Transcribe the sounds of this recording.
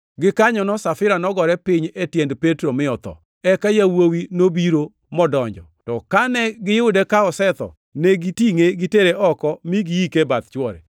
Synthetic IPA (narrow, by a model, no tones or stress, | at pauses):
ɡɪkaɲɔnɔsafɪɾanɔɡɔɾɛpɪɲetjendpetɾomɪɔt̪ɔ̰ | ɛkajawowinobiɾo | mɔdɔɲd͡ʒɔtɔkanɛɡɪjʊdekaɔsɛt̪ɔ̰ | nɛɡitiŋeɡiteɾeʔɔkɔmiɡiikebat̪̚t͡ʃwɔɾɛ̰